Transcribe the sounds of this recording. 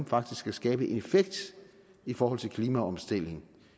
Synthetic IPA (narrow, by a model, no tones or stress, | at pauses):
m̩fɑ̈ɡ̥d̥isɡ̥kʰæsɡ̥ɛːb̥əʔe̝nefeɡ̥̚d̥ | ifɒːhɒ̽l̰t͡sʰe̝lkʰliːmæɒ̽msd̥el̰e̝ŋ̩